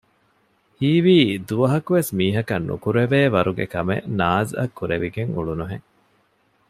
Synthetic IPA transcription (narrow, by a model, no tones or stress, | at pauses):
hiːʋiːd̪uʋɐɦɐkuʋesmiːɦɐkɐnːṵkuɾeʋeːʋɐɾuɡḛkɐmḛʔnaːzɐ̰kːuɾḛʋiɡeŋṵɭunuɦeŋ